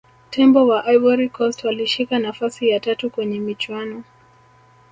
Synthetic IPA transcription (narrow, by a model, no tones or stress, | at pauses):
tʰɛmbɔwaʔajvɔɾikɔstwaliʃikanafasijatatukwɛɲɛmit͡ʃwanɔ